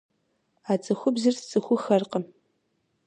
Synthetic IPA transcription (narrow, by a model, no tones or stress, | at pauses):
aːt͡sʼɨxʷʊbzɨrst͡sʼɨxʷʊxɐrqəm